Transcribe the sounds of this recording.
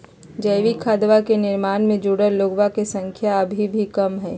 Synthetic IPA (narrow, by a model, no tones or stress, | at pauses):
d͡ʒɐɪʋikʰaːd̪ʋakenɪɾmaːnmẽd͡ʒuːɽəɾloːɡwakesɐ̃ŋkʰjaɐbʱibʱikɐmɦɛː